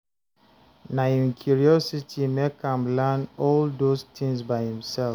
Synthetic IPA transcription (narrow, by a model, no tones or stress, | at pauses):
naĩnkʰjuɹiɔsitʰimekãmlɛnɔldostʰĩŋsbaɪhĩmsɛl